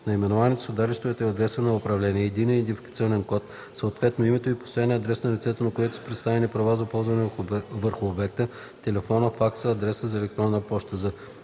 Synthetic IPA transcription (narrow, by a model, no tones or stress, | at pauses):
nɐimɛnovanit̪ɛ̥sod̪aɾist̪vovɛt̪ɐd̪ɾɛsənɐʊpɾɐvlɛniɛːd̪inɛnd̪ifi̥kət̪sʲiɔnɛnkɔt̪ | səot̪vɛt̪noimɛt̪oipo̥st̪ojaniɐd̪ɾɛsnɐlʲit̪sɛt̪ənɐkojɛt̪ʊ̥sə̥pɾɛt̪st̪avɛnipɾɐvazɐpɔlˠzvɐnɛvəɾxʊobɛkt̪ə | t̪ɛlɛfɔnəfaksəːd̪ɾɛsəzɐɛlɛk̚t̪ɾɔnːəpɔʃt̪əzə